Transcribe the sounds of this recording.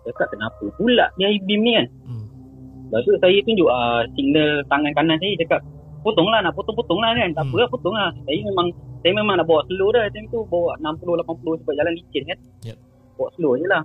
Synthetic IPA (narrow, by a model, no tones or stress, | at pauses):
d͡ʒakaʔ̚kənapəpula̰ʔdiaibimnikan | bat̪uʔsajat̪und͡ʒuʔəsik̚nəlt̪aŋankanans̬ajad͡ʒakaʔ̚ | put̪ʊŋlahnaʔput̪ʊŋput̪ʊŋlahkant̪aʔpəlaʔput̪ʊŋlahsajamemaŋsajamemaŋnaʔbawaʔsəlohdat̪amt̪ubawaʔnampulʊhlapanpulʊhsəbaʔ̚d͡ʒalanlit͡ʃənkan | bawaʔsəlʊjəlah